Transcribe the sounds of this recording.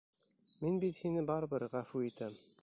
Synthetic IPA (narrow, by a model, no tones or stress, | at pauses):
minbit̪hinɘbɑɾbɤɾʁæfuit̪æm